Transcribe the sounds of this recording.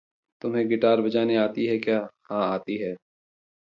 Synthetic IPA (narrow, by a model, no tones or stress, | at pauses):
t̪ʊmɦẽɡɪʈaːɾbɐd͡ʒaːneaːt̪iɦɛkjaːhãːaːt̪iɦɛː